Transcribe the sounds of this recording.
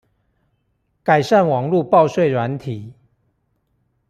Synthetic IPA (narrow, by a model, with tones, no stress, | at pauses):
ka˨˩ɪʂa˥˨nwɑ˨˩ŋlu˥˧˨pɑ˥˧ʊswe˥˩ɪɻwa˨˦nt̪ʰi˨˩˦